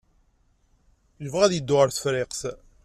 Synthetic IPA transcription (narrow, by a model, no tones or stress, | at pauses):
ləvʁæðjəd̪ːʊʁəɾθfɾeqs